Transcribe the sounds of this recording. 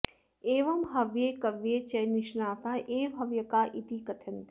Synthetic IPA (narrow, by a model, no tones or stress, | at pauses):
eːʋɐmɦɐʋjeːkɐʋjeːt͡ʃɐjniʃnaːt̪ʰaʔeːbʱɦɐʋjɐkaːʔit̪ikɐt̪ʰɐnt̪i